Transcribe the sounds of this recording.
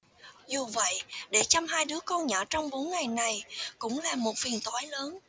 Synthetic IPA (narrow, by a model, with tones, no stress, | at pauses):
zu˨˩və̰˧˨jɗe˧˩t͡ɕa˧mɦaː˧jɗɨ˨˦əkɔ˧nɲɔ̰ː˧˩t͡ɕɔ˧wŋ͡mɓo˨˦nŋa˨˩jna˨˩jkʊ̰˧˥ŋ͡mlaː˨˩mo˨˩t̚fi˨˩ənt̪waː˨˦jləː˨˦n